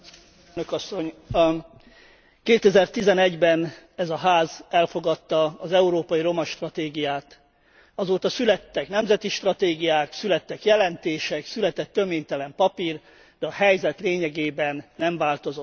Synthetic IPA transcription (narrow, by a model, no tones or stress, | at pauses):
nøkɒsːo̞ɲ | keːt̪ɛzɛrt̪izɛnɛɟbɛn | ɛzɒɦaːzɛlfo̞ɡɒt̪ːɒːzɛuɾoːpɒjiɾo̞mɒʃt̪rɒt̪eːɡijaːt̪ | ɒzoːt̪ɒsylɛt̪ːɛknɛmzɛt̪iʃt̪rɒt̪eːɡijaːksylɛt̪ːɛkjɛlɛnt̪eːʃɛksylɛt̪ɛt̪ːø̞meːɲt̪ɛlɛmpɒpir | d̪̥ɛɒɦɛjzɛt̪leːɲɛɡeːbɛnːɛɱvaːlt̪o̞zo̞t̪ː